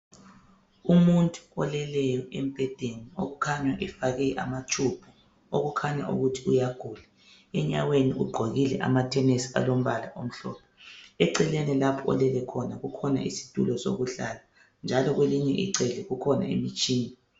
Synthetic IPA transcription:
umuntʼu̥ɔlɛlɛjɔʔem̩pɛd̥ʱenio̰ɣukʰaɲaʔɛfaɣɛʔa̰mat͡ʃʰupʰɔ̥ | oɣukʰaɲa̰ʔṵɣutʰiujaɡ̥ʱuːla | ɛɲa̰weniʔuɡ͡ǃʱoɣilɛ̰ʔa̰matʰɛnesi̥a̰lom̩βalaʔom̩ɬɔːpʰɔ̥ɛǀɛlenilapʰɔɔlɛlɛkʰɔnaɣukʰɔna̰ʔḭsi̥d̥ʱʼṵlɔso̰ɣuɬaːla | nd͡ʒʱalɔɣweliɲɛʔḭǀɛlɛɣukʰɔna̰ḛmit͡ʃʼiːni

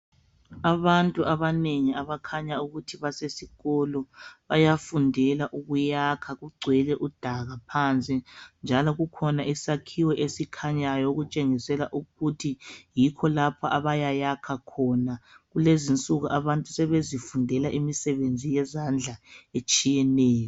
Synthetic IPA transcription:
aβantʼuʔaβaneŋiaβakʰaɲauɣutʰiβasesiɣɔlɔβajafundʱɛlaʔuɣujakʰaɣuɡ͡ǀʱwɛlɛʔud̥ʱaɣapʰant͡sʼind͡ʒʱalɔɣukʰɔnaʔisakʰiwɛʔesikʰaɲajɔuɣut͡ʃʼeŋisɛlaʔuɣutʰijikʰɔlapʰɔʔaβajajakʰakʰɔnaɣulezint͡sʼuɣuʔaβantʼusɛβezifundʱɛlaʔimisɛβend͡zʱijɛzand͡ɮʱaet͡ʃʼijɛnɛːjɔ

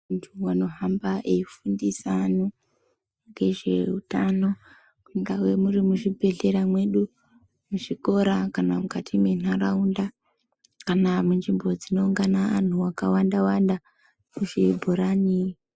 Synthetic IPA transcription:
ntʰuwano̞ɦambaʔeifundisano | ŋɡe̞ʐe̞utano̞ | kŋɡawe̞murimuʐibʱe̞ɮe̞ɾamwe̞ɗu | muʐiko̞ɾakanamukatʰimwenaraunda | kanamund͡ʒimbo̞d͡zino̞uŋɡanaːn̤uwakawandawanda | muʐibʱoɾani

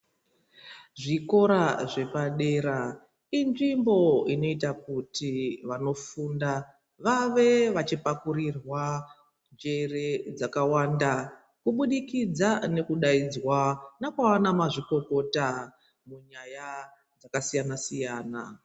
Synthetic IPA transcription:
ʐiko̞ɾaʐe̞paɗe̞ɾa | ind͡ʒimbo̞ino̞itakutʰiʋano̞funda | ʋaʋe̞ʋat͡ʃipakuɾirwa | nd͡ʒe̞re̞d͡zakawanda | kuɓuɗikid͡zane̞kuɗaid͡zwanakwawanamaʐiko̞ko̞ta | muɲaja | d͡zakasijanasijaːna̰

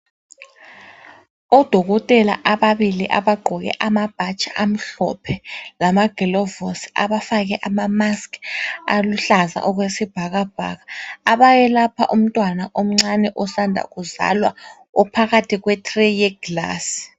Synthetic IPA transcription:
ɔd̥ʱɔɣɔtʼɛla̰ʔaβaβiliʔa̰βaɡ͡ǃʱɔɣɛ̰ʔamab̥ʱat͡ʃʼaʔam̩ɬɔ̰pʰɛlamaɡ̥ʱɛlɔvɔsa̰βafaɣɛʔamamaska̰luɬaza̰ʔɔɣwesib̥ʱaɣab̥ʱa̰ɣaːβajɛlapʰa̰ʔum̩tʼwanaʔom̩ŋ͡ǀanɛʔɔsandʱa̰ɣuza̰lwa | ɔpʰaɣatʰiɣwɛtʰʼrijɛɡla̰ːs

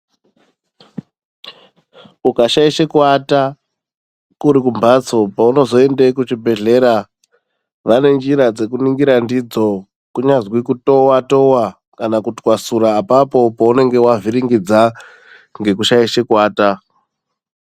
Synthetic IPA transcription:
ukaʃaiʃekuata | kuɾikumbʱat͡so̞pauno̞zo̞e̞ndekut͡ʃibʱe̞ɮe̞ɾa | ʋane̞nd͡ʒiɾad͡ze̞kuniŋɡiɾandid͡zo̞ | kuɲazwikuto̞wato̞wa | kanakutkwasuɾaːpapo̞paune̞ŋɡe̞waviɾiŋɡid͡za | ŋɡe̞kuʃaiʃekuaːta

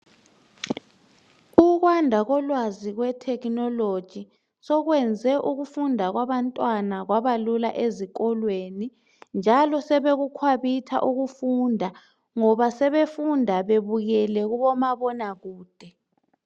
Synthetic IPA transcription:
uɣwandʱaɣɔlwaziɣwɛtʰɛkʰʼnɔlod̥ʒ̥ʱi | sɔɣwɛnd͡zʱɛʔuɣufundʱaɣwaβantʼwanaɣwaβalulaʔezik̬ʼɔlweːni | nd͡ʒʱalɔsɛβeɣukʰwaβitʰa̰ʔuɣufundʱa | ŋɔβasɛβefundʱaβeβuɣɛlɛɣuβɔmaβɔnaɣuːd̥ʱɛ

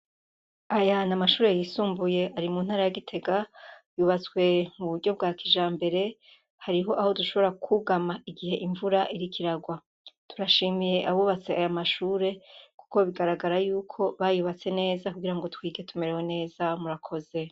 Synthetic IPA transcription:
ajanamaʃuːɾe̞jisuːmbuje̞ʔaɾimuːn̥haːɾajaɡitʰe̞ɡajuβat͡swe̞muβudɟo̞b̚ɡaːkʰiʒaːmbe̞ɾe̞ | haɾiɦo̞ʔaho̞duʃo̞βo̞ɾakʰuɡamaiɡihe̞ʔiɱvuɾaʔiɾikʰiɾaɡwa | tuɾaʃiːmije̞ʔaβuβat͡se̞ʔajamaʃuːɾe̞ku̥ko̞βiɡaɾaɡaɾajuːkʰo̞βajuβat͡se̞ne̞ːzakuɡiɾaŋɡo̞twiːɡe̞tumeɾewene̞ːz̥amuɾakʰo̞ze̞

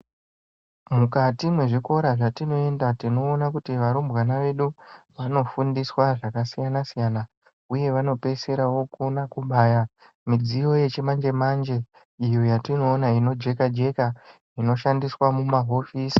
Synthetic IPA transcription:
mukatimwe̞ʐiko̞ɾaʐatino̞e̞ndatino̞ːnakutiʋaɾumbɣanaʋe̞ɗuʋano̞fundiswaʐakasijanasijana | uje̞ʋano̞pe̞se̞ɾawo̞kuonakuɓaja | mid͡zijo̞je̞t͡ʃemand͡ʒe̞mand͡ʒe̞ | ijojatino̞ːnaino̞d͡ʒe̞kad͡ʒe̞ka | ino̞ʃandiswamumaɦo̞fiːsi̥

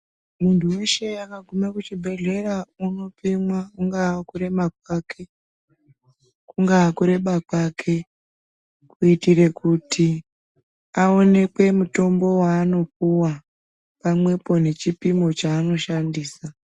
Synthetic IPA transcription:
muntʰumiʃe̞akaɡʱumekut͡ʃibʱe̞ɮe̞rauno̞pimwauŋɡakure̞mak̚wake | kuŋɡaːkuɾe̞ɓakwakʰe̞ | kuitire̞kutʰi | aone̞kwe̞muto̞mbo̞waːno̞p̚uwa | pamwe̞po̞ne̞t͡ʃipimo̞t͡ʃaːno̞ʃandiːsa

